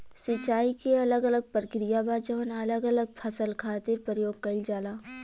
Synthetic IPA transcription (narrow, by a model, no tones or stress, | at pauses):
sɪt͡ʃaːikeɐləɡɐləɡ̚pɾəkɾijabaːd͡ʒəʋənɐləɡɐləɡ̚pʰɐsəlkʰaːt̪ɪɾpəɾjoːɡ̚kɐld͡ʒaːlaː